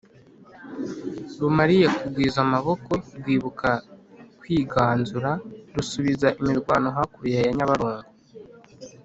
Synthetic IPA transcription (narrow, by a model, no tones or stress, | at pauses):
ɾumaɾijekubɡwiːzamaβo̞ko̞ɾɡwiːβukʰakwiːɡaːnzuɾaɾusuβizaʔimiɾɡwaːnoɦakuβjajaɲaβaɾuːŋɡu